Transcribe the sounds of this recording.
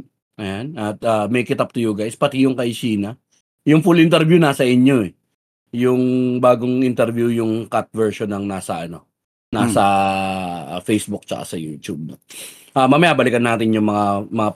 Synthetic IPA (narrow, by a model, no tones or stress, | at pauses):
ʔɐjanʔɐt̪̚ʔaːmɛjkɪt̪ap̚t̪ʊjʊɡajspɐt̪ɪjʊŋkɐɪsiːnɐ | jʊŋfulʔɪnt̪ɛɾvjunasɐʔɪɲo̞ɛ | jʊŋbaːɡoŋʔɪnt̪ɛɾvjujʊŋkat̪̚vɛɹʃonɐŋnaːsɐʔɐno̞̰ | nasɐ | fejsbʊk̚t͡ʃɐ̰ka̰sɐjuːt̪jub̚no | ʔaːmɐmɐjaːbɐlɪkɐnːaːt̪ɪnjʊŋmɐŋamɐŋa